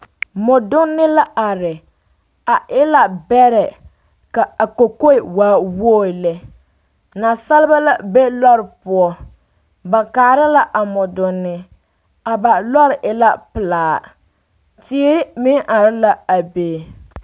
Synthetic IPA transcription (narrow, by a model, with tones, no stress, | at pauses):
mʊ˨dʊ˦nːɪ˦la˦ʔa˨ɾɪ˨ | a˨ʔɪ˦la˨bɛ˦ɾɛ˨ | ka˨a˨ko˨ko˦ɪ˨waː˨˦woː˦˨lɛ˦ | na˨sa˦lɪ˦ba˦la˦be˦lɔ˦ɾɪ˨pʊ˨ɔ˦ | ba˨kaː˨ɾɪ˦la˦ʔa˨mʊ˨dʊ˨nːɪ˦ | a˨ba˨lɔ˦ɾɪ˨ʔɪ˦la˦pɪ˨laː˨ | ti˦ɾɪ˦mɪ˦ŋʔa˨ɾɪ˦la˦a˨beː˨